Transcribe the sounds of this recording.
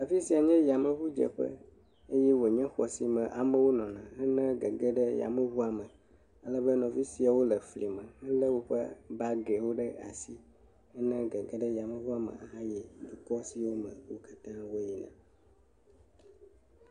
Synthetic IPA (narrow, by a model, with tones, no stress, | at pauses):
nã˨fi˦si˨a˨ɲɛ̃˦ja˨mə̃˨βu˦d͡ʒɛ̰˨ɸɛ̰˦ | e˦jɛ˦wo˨ɲɛ̃˦xɔ˨si˨mɛ̃˨ʔa˨mə̃˦wo˦nɔ̃˨nã˨ɦɛ˦nɛ̃˦ɡɛ˨ɡɛ˦ɖɛ˦ja̰˨mə̃˦vu˦a˨mə̃˨ | ə˦lə˦bɛ˦nɔ̃˨fi˦si˨a˨wo˦lɛ˨fli˨mə̃˨ɛ˦lɛ˦wo˦ɸɛ̰˦ba˦ɡɛ˨wo˦ɖɛ˦a̰˨si˦ | ɛ˦nɛ̃˦ɡɛ˨ɡɛ˦ɖɛ˦ja˨mə̃˦vu˦a˨mə̰˨a˨ɦã˦jɛ˨d̪u˨kɔ˦si˨wo˦mə̰̃˨wo˦kḁ˦t̪ã˦wo˦ji˨nã̰˨